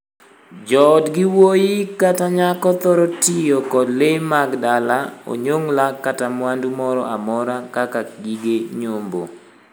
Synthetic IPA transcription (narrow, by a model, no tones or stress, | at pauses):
d͡ʒɔdɡɪwojɪkataɲakɔt̪ɔɾɔtijokɔdlemaɡdalao̰ɲoŋlakatamwandumɔɾɔ̰ʔamɔɾakakaɡiɡeɲombo̰